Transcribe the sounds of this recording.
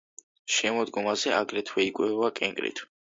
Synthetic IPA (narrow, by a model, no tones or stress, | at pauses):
ʃɛmɔd̪ɡɔmazɛa̰ɡɾɛt̪ʰwɛikʼwɛvakʼɛŋkʼɾḭt̪ʰ